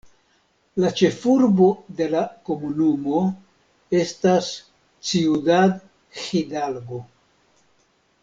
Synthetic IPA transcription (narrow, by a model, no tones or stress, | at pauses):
lat͡ʃe̞fuɾbo̞d̪e̞lako̞munumo̞ | e̞stas | t͡siudad | xidalɡo̞